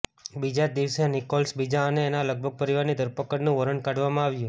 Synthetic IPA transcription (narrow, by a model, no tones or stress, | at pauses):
bid͡ʒad̪iʋsjanikolsbid͡ʒaəneːnaləɡ̚bʱəɡ̚pəɾiʋaɾnid̪ʱəɾpəkəɽnũʋəɾəɳkaɖʋamãaʋjũ